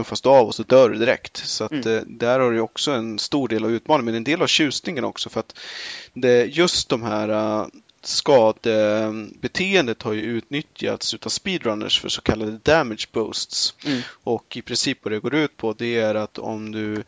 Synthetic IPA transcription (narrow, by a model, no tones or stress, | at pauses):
ɵfasd̪ɵavɔsɔd̪œːɖɵd̪ɪɾɛ̰kt̪sɔat̪d̪æɾhaɖɛjɔksɔɛnst̪uːɖeːlavʉ̟ːt̪mɑːnɪŋəɛnɛnd̪eːlavɕʉ̟ːst̪nɪŋənɔ̰ksɔfœɾat̪d̪ɛjɵst̪̚d̪ɔmɦæːɾa | skɑːd̪əbɛt̪ʰeːənd̪ət̪haɾjɵʉ̟ːt̪nʏt̪ja̰ːt̪slʉ̟ːt̪ʰaspiːd̪ɾanːə̰ʂfœ̰ʂɔkʰalːad̪əd̪æmɪd̪ʂbɔːst̪sʔɔkɪpʰɾɪnsiːpːvad̪ɛɡoːɾʉ̟ːt̪̚pʰɔd̪ɛæɾat̪ʰɔ̰md̪ɵ